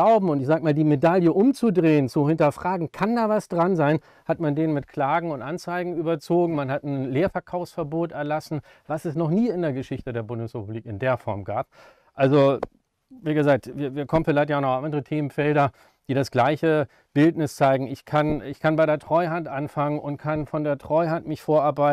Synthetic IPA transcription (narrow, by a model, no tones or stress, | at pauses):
aʊbm̩ʊntɪçz̥aːkəmaːldiːmedaljəʔʊmt͡sudʁeːənt͡suhɪntɐfʁ̥aːɡŋ̩kʰandaːvasd̥ʁanzaɪn | hatmandeːnmɪtkʰl̥aːɡŋ̩ʊntʔant͡saɪɡŋ̩yːbɐt͡soːɡŋ̩manhatn̩leːɐfɛɐkʰaʊfsfɛɐboːtɛɐlasn̩ | vasɛsnɔχniːɪndeːɐɡəʃɪçtədeːɐbʊndəsʁɛpub̥liːkɪndeːɐfɔɐmɡaːp̚ | ʔalzo | viːɡəzaːk̚tviːɐviːɐkʰɔmən̩fɪlaɪçt̬janɔxʔandəʁətʰeːmənfɛldɐ | d̥iːɾasɡ̥laɪçə | b̥ɪltnɪst͡saɪɡŋ̩ɪçkʰanɪçkʰanbaɪɾeːɐtʁ̥ɔʏɦantʔanfaŋənʔʊntkʰanfɔndeːɐtʁ̥ɔʏɦantmɪçfoːɐʔaɐbaɪt